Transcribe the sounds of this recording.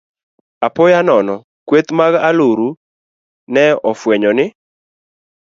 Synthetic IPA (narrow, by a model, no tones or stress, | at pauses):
apɔjanɔnɔ | kwet̪maɡaloɾu | nɛɔfweɲɔnɪ